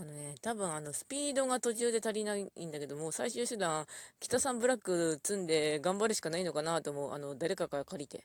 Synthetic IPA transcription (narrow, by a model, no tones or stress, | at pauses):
ano̞ne̞t̪abɯ̟̃ɰ̃ano̞sɨ̥pʲiːd̪o̞ɡat̪o̞t͡ɕɨːd̪e̞t̪aɾʲinaiḭ̃nd̪ake̞d̪o̞mo̞ːsaiɕɨːɕɨd̪ãŋ̃kʲi̥t̪asãmbɯ̟ɾakːɯ̟t͡sɨ̃nd̪e̞ɡãmbaɾɯ̟ɕi̥kanaino̞kanat̪o̞mo̞ɯa̰no̞d̪aɾe̞kaɡakaɾʲit̪e̞̰